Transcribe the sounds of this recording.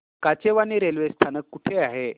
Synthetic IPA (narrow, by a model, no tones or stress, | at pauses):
kat͡ɕeʋaniɾelʋest̪ʰanəkːuʈʰeaɦe